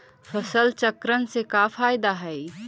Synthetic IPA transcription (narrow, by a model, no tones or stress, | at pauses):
fɐsəlt͡ʃəkɾənsekaːfaːɪd̪aɦɛː